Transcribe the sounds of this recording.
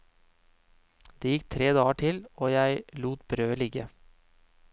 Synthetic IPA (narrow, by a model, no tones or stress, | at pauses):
d̪̥eːjɪkt̪ʰɾeːd̪ɑːəʈʰɪloːjæɪluːt̪bɾøːlɪɡə